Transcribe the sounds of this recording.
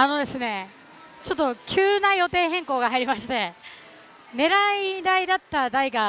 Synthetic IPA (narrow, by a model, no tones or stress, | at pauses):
ano̞d̪e̞sɨne̞ | t͡ɕo̞t̪ːo̞kʲʰɨːnajo̞t̪e̞ːɦẽ̞ŋko̞ːɡahaiɾʲimaɕi̥t̪e̞ | ne̞ɾaid̪aid̪at̪ːad̪aiɡa